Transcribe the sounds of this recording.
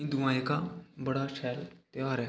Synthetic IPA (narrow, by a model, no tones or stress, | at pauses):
ĩd̪uãekabəɽaʃʰɛːlt̪eʋaɾɛ